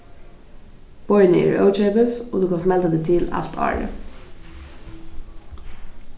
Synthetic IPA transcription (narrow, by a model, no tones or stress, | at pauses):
b̥ɔʏənəḭːɹʔə̰ʊt͡ʃeɪbəsoːd̪ʉːkʰɑnsmɛlt̪əd̪eːt̪ʰɪlæ̰ft̪ʰɑ̰ːlə̰